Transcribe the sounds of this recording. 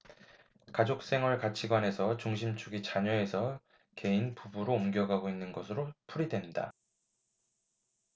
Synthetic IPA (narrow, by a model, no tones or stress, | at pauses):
kad͡ʑok̚s͈e̞ŋɦwʌɭkat͡ɕʰiɡwane̞sʰʌt͡ɕuŋɕʰimt͡ɕʰuɡit͡ɕaɲʌe̞sʰʌ | ke̞inpubuɾoːmɡjʌɡaɡoinːɯnɡʌsʰɯɾopʰuɾidwe̞nda̰